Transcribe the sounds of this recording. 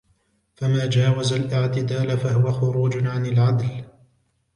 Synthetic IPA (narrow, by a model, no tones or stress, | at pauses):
famaːd͡ʒaːwazalʔɪʕt̪ɪd̪aːlafaɦʊwaxʊɾuːd͡ʒʕanalʕad̪l